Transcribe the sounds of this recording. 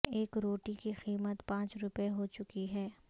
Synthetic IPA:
eːkɾoːʈikixiːmət̪pãːt͡ʃɾʊpeɦot͡ʃʊkiɦɛː

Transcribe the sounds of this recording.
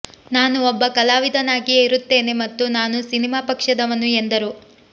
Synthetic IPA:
naːnuɔbːɐkɐlaːʋid̪ʱɐnaːɡijiɾut̪ːe̞ːne̞mɐt̪ːunaːnusinimaːpɐkʂɐd̪ɐʋɐnːuend̪ɐɾu

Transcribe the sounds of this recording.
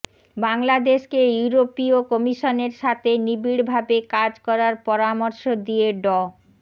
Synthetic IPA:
baŋlad̪eʃkejuɾopiokɔmiʃoneɾʃat̪ʰenibiɽbʱabekad͡ʑkɔɾaɾpɔɾamɔɾʃod̪ijeɖɔ

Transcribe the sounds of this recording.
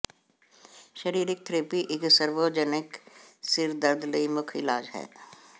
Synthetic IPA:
ʃəɾiːɾɪk̚t̪ɾeːpiʔɪɡsəɾʋoːd͡ʒənɪksɪɾd̪ɐɾd̪ləimʊkʰɪlaːd͡ʒɦɛ̰ː

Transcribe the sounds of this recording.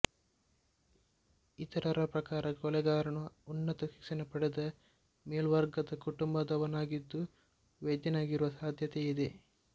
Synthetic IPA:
it̪ɐɾɐɾɐpɾɐkaːɾɐkɔlɛɡaːɾɐnuːnːɐt̪ɐʃi̥ksɐnɐpɐɽed̪ɐ | meːlʋɐɾɡɐd̪ɐkuʈumbɐd̪ɐʋɐnaːɡid̪ːu | ʋed̪jɐnaːɡiɾuʋɐsaːd̪ʱjɐt̪eid̪e̞

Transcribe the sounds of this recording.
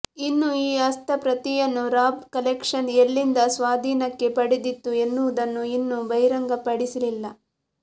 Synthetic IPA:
inːuiːɐst̪ʰɐpɾɐt̪ijɐnːuɾaːbkɐlekʂɐnelːind̪ɐsʋaːd̪ʱiːnɐkːe̞pɐɽid̪it̪ːue̞nːuʋud̪ɐnːuinːubʱɐjɾɐŋɡɐpɐɽisililːɐ

